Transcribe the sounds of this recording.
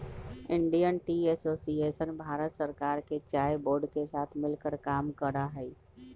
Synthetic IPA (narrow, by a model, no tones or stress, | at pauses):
ɪɳɖijənʈiɛsoːsieʃənbʱaːɾət̪səɾkaːɾket͡ʃaːeboːɾɖkesaːt̪ʰmɪlkəɾkaːmkəɾaɦɛi